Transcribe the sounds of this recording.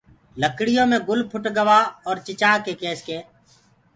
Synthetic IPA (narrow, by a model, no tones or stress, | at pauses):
ləkɽɪjõːmẽːɡʊlpʰʊʈɡəʋaːɔːɾt͡ʃɪt͡ʃaːkeːkeːskeː